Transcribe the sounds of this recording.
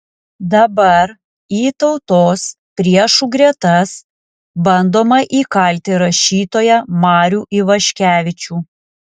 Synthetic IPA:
d̪ɐbɐɾ | iːt̪ɒʊt̪oːs | pʲɾʲiɛʃuɡɾʲiɛt̪ɐs | bɐnd̪oːmɐʔiːkɐlʲt̪ʲɪɾɐʃʲiːt̪oːjɛmɑːɾʲuːʔɪʋɐʃʲkʲæːʋʲɪt͡ʃʲuː

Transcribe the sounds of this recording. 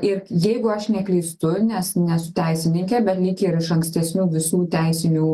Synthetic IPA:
ɪrjɛɪɡʊɐʃnʲɛklʲɛɪst̪ʊnʲɛsnʲɛsʊ̥t̪ʲæɪsʲɪnʲɪŋʲkʲɛːbʲɛt̪lʲɪkʲeɪɾɪʃɐŋksʲt̪ʲɛsʲnʲuːʋʲɪsuːt̪ʲæɪsʲɪnʲuː

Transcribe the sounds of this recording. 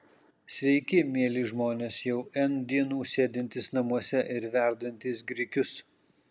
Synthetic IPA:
sʲʋʲɛɪkʲɪmʲiɛlʲɪːʒmoːnʲeːsjɛʊɛnd̪ʲiːnuːsʲeːd̪ʲɪnʲt̪ʲɪsnɐmuɔsʲɛʔɪɾʋʲæˑɾd̪ɐnʲt̪ʲɪsɡɾʲɪkʲʊs

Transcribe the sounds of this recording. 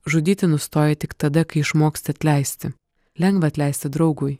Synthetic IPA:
ʒʊd̪ʲiːt̪ʲɪnʊst̪oːjɛt̪ʲɪkt̪ɐd̪ɐkɐɪɪʃmoːkst̪ʲɪɐt̪ʲlʲɛɪsʲt̪ʲɪ | lʲɛŋɡʋɐːɐt̪ʲlʲɛˑɪsʲt̪ʲɪd̪ɾɐʊɡʊj

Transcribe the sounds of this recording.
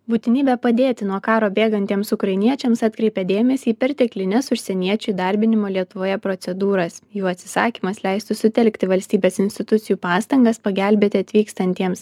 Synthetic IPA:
buːt̪ʲɪnʲiːbʲɛpɐd̪ʲeːt̪ʲɪnuɔkɑːɾoːbʲeːɡɐnʲt̪ʲiɛmsʊkɾɐɪnʲiɛt͡ʃʲɛmsɑt̪ʲkɾʲɛɪpʲɛd̪ʲeːmʲɛsʲiːpʲɛɾʲt̪ʲɛklʲɪnʲɛsʊʃʲsʲɛnʲiɛt͡ʃʲʊɪd̪ɐɾʲbʲɪnʲɪmoːlʲiɛt̪ʊʋoːjɛpɾot̪sʲɛd̪uːɾɐsjuːɐt̪ʲsʲɪsɑ̰ːkʲiːmɐslʲɛɪst̪ʊsʊt̪ʲɛlʲkʲt̪ʲɪʋɐlʲsʲt̪ʲiːbʲeːsɪnʲsʲt̪ʲɪt̪ʊt̪sʲɪjuːpɑːst̪ɐŋɡɐspɐɡʲælʲbʲeːt̪ʲɪɐt̪ʲʋʲiːkst̪ɐnʲt̪ʲiɛms

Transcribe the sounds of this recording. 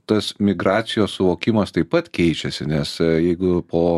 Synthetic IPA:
t̪ɐsmʲɪɡɾɑːt̪sʲɪjoːssʊʋoːkʲɪmɐst̪ɐɪpɐt̪kʲɛɪt͡ʃʲɛsʲɪnʲɛsjɛɪɡʊpʰoː

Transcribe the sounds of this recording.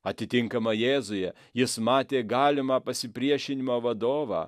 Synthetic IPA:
ɐt̪ʲɪt̪ʲɪŋkɐmɐjeːzʊjɛ | jɪsmɑːt̪ʲeːɡɑːlʲɪmɑːpɐsʲɪpʲɾʲiɛʃʲɪnʲɪmoːʋɐd̪oːʋɑ̰ː

